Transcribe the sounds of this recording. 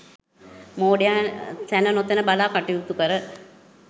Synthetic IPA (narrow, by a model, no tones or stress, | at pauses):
moːɖejaːsænənot̪ənəbalaːkaʈijut̪ukəɾə